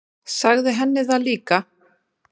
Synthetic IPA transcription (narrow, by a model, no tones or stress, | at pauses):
saɣðɪɦɛnːɪðaðliːka